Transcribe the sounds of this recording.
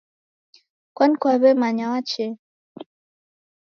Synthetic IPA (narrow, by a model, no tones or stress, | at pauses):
kwankwaβɛmaɲawat͡ʃɛ